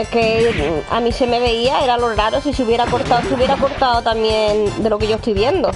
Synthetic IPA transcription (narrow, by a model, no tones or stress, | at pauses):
kea̰mĩseme̞β̞e̞iae̞ɾaloɾaɾosiseuβje̞ɾako̞ɾt̪aoseuβje̞ɾako̞ɾt̪aot̪amjẽ̞nd̪e̞lo̞ke̞ʝost̪ujβje̞nd̪o